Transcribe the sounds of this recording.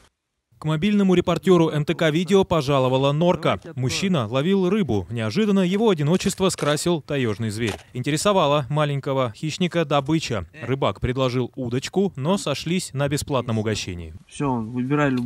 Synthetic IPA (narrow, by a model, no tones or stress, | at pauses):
kmɐbʲilʲnəmʊɾʲɪpɐrtʲo̞ɾʊʔɛnt̪əkavʲidʲɪopɐʐalˠəvəlˠəno̞rkəmʊɕːinəlˠɐvʲilˠrɨbʊnʲɪɐʐɨd̪ənːəjɪvo̞ɐdʲɪno̞t͡ɕɪst̪vəskɾasʲɪlˠt̪ɐjoʐnɨjzvʲeɾʲɪnʲtʲɪɾʲɪsɐvalˠəmalʲɪnʲkəvəxʲiɕnʲɪkəd̪ɐbɨt͡ɕərɨbakpɾʲɪd̪lˠɐʐɨlˠud̪ət͡ɕkʊno̞sɐʂlʲisʲnəbʲɪsplˠat̪nəmʊɡɐɕːḛnʲɪ̰ɪfsʲonvɨbʲɪɾalʲ